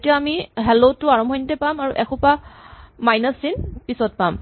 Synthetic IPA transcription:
tijaːmiɦɛlotʊaɹɔmbʱɔjnitɛpamaɹuʔɛxʊ̃pamajnasinpisɔt̚pam

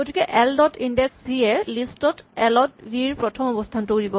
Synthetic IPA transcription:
ɡotikɛʔɛldɔtʰindɛksbiɛlistɔtɛlɔtbiɹpɹɔtʰɔmɔbɔstʰantuɹibɔ

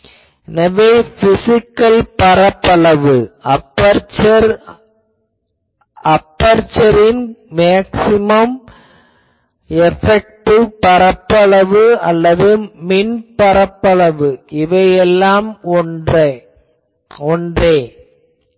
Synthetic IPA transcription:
ɛnɐʋeːfɪsɪkːɐlpɐɾɐpːɐɭɐʋɯɐpːɐɾt͡ʃɐɾ | ɐpːɐɾt͡ʃɐɾɪnmaːksɪmɐm | ɛfɛk̚ʈɯpɐɾɐpːɐɭɐʋɯɐlːɐðɯmɪnpɐɾɐpːɐɭɐʋɯʔɪʋɐjɛlːaːmɔnɐ | ɔndreː

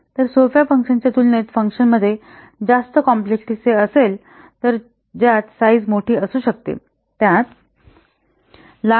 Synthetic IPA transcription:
t̪əɾsofjafəŋkʂənt͡ɕjat̪ulnet̪fəŋkʂənməd̪ʱːje | d͡zast̪əkɔmplekʈiseəsel | t̪əɾ | d͡ʑjat͡s̪said͡zmoʈʰiːəsuːɕək̚t̪ḛ | t̪jãt̪ | la

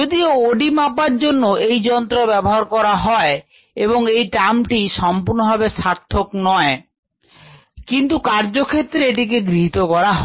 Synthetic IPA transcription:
od̪iooɖimapaɾd͡ʑonːoʔejd͡ʑɔnt̪ɾobɛboɦaɾkɔɾaɦɔe | eboŋejʈamʈiʃɔmpuɾnobʱabeʃaɾt̪ʰːoknɔe | kint̪̬ukaɾd͡ʑokʰet̪ːɾeeʈik̬eɡɾiɦit̪okɔɾaɦ

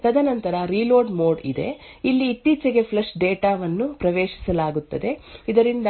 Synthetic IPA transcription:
t̪ɐd̪ɐnɐnt̪ɐɾɐɾiːloːɖmoːɖḭd̪ḛ | ilːiːt̪ːiːt͡ʃɐɡe̞pʰlɐʂɖeːʈaːʋɐnːupɾɐʋeːʃi̥sɐlaːɡut̪ːɐd̪e̞id̪ɐɾind̪ɐ

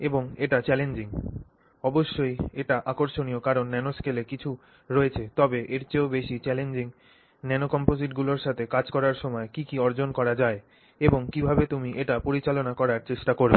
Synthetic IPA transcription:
eboŋeʈat͡ɕɛlend͡ʑiŋ | ɔboʃːojeʈaʔakoɾʃoniokaɾonːɛnoskelekit͡ɕʰu | ɾoet͡ɕʰet̪ɔbeʔeɾt͡ɕeobeʃit͡ɕɛlend͡ʑiŋ | nɛnokɔmpoziʈɡuloɾʃat̪ʰekad͡ʑkɔɾaɾʃɔmɔekikiɔɾd͡ʑonkɔɾad͡ʑae | eboŋkibʱabet̪umiʔeʈapoɾit͡ɕalonakɔɾaɾt͡ɕeʃʈakoɾḛ

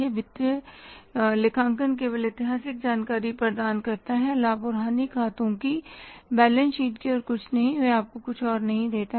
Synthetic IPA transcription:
eʋɪt̪ɾə | lɪkʰãːŋk̬ənk̬eʋɐlɪt̪ɪɦaːsɪk̚d͡ʒaːnkaːɾipɾɐɾd̪aːnkɐɾt̪aɦɛlaːbʊːɾɦaːnikʰaːt̪õkibɛːlə̃nsiːʈkeɔːɾkʊt͡ʃʰnɐɦĩʋɛaːp̚kokʊt͡ʃʰɔːɾnɐɦĩd̪eːt̪a

